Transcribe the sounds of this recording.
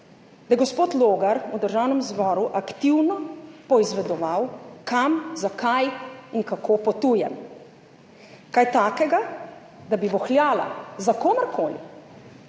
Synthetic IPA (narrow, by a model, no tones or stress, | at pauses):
d̪ajɛɡɔspoːt̪loːɡaɾud̪əɾʒaːwnɛmzbɔːɾuʔakt̪iwnɔpɔizʋɛd̪ɔʋawkamzakʰajiŋkakʰoːpɔt̪uːjɛ̰m | kajt̪aːkɛɡa | d̪abiʋɔxlʲjaːla̰zakoːmɛɾkʰoːlḭ